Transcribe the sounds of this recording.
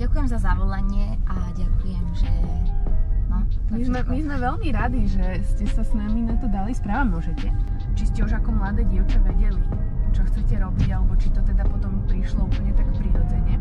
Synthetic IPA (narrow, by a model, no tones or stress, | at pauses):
ɟakujɛmzazaʋɔlaɲɪɛʔaɟakujɛmʒɛ | nɔmizmɛmizmɛʋɛlmiɾad̪iʒɛscɛsasnaminat̪ɔd̪alispɾaːʋamʊɔʒɛcɛ | t͡ʃiscɛuʒakɔmlad̪ɛːɟɪɛʊt͡ʃaʋɛɟɛlit͡ʃɔxt͡sɛcɛɾɔbiɟalɛbɔt͡ʃit̪ɔt̪ɛd̪apɔt̪ɔmpɾiʃlɔupəɲɛt̪akpɾiɾɔd͡zɛɲɛ